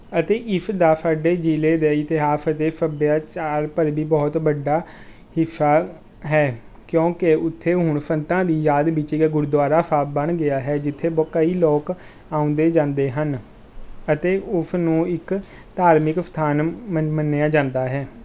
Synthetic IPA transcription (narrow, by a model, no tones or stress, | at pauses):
ət̪eːʔɪfʰd̪aːsʰaːɖeːd͡ʒiːleːd̪eːɪt̪eɦaːpʰət̪eːsʰəbjaːt͡ʃaːɾpəɾbiːbɔːt̪bəɖaː | hɪsaː | ɦɛː | kjõːkɪʊt̪ʰːeːɦʊɳpʰənt̪ãːd̪iːjaːd̪bɪt͡ʃiːɡaːɡʊɾd̪waːɾaːpʰaːbəɳɡɪaːɦɛːd͡ʒɪt̪ʰːeːbkəiːlɔːk | ãːʊ̃nd̪eːd͡ʒãːnd̪eːɦən | ət̪eːʔʊsnũːɪk | t̪aːɾmɪkst̪ʰaːnmənːejãːd͡ʒãːnd̪aːɦɛː